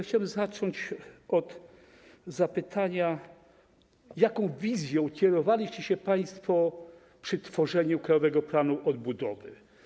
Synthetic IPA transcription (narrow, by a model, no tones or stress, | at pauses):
xt͡ɕawɛmzat͡ʂɔɲt͡ɕɔd̪ | zapɘt̪ʰaɲa | jakɔ̃w̃vʲizʲjɔ̃w̃kʲɛɾɔvalʲiɕt͡ɕɛɕɛpaj̃st̪fɔ | pʂɘt̪fɔʐɛɲukɾajɔvɛɡɔplanuʔɔd̪̚bud̪ɔvɘ̰